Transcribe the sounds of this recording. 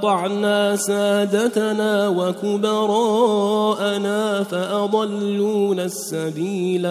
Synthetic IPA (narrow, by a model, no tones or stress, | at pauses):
t̪ˤɑʕnaːsaːd̪at̪anaːwakʊbɑɾˤɑːʔanaːfaʔɑd̪ˤɑlːuːnasːabiːla